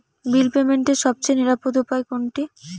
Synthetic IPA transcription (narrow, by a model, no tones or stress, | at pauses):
bilpemeɳʈeɾʃɔb̚t͡ɕejniɾapod̪opajkoɳʈi